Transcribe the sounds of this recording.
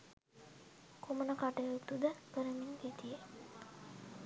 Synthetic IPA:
kʰomənəkaʈəjot̪ud̪əkəɾəmiŋɡet̪ije

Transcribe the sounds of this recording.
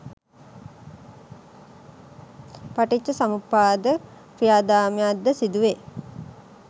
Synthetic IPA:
paʈit͡ʃːəsamupːaːd̪ə | kɾijaːd̪aːmejad̪ːəsid̪uʋe

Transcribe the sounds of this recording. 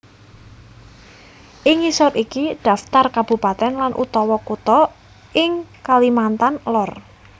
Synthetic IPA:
ʔɪŋisɔɾikid̥a̤ft̪arkab̥ṳpat̪ɛnlanʔṵt̪ɔwɔkut̪ɔ | ʔɪŋkalimant̪anlɔr

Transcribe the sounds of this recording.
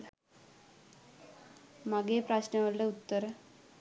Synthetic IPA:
maɡepɾaɕnəʋəɾleut̪ːəɾ

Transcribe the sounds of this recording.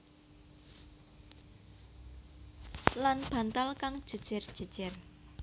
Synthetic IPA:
lanb̥ä̤nt̪alkaŋd̥ʒ̥ə̤̥ʒ̥ə̤rd̥ʒ̥ə̤d̥ʒ̥ɪr

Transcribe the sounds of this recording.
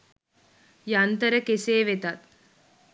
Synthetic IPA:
jant̪əɾəkeseːʋet̪at̪

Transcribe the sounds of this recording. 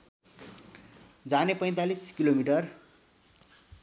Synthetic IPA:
d͡zanepʌj̃t̪aliskilomiʈʌr

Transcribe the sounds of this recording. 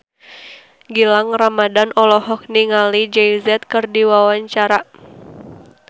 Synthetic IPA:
ɡilaŋramadanɔlɔɦɔk̚niŋalid͡ʒɛizɛt̪̚kɨrdiwawaɲt͡ʃaɾa

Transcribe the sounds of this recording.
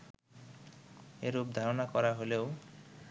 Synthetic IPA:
eɾup̚d̪ʱaɾonakɔɾaɦoleo

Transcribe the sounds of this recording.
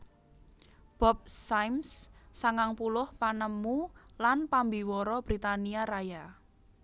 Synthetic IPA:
b̥ɔp̚sajmssaŋaŋpulʊhpanəmulanpambiwɔɾɔb̥ɾit̪aniaɾaja

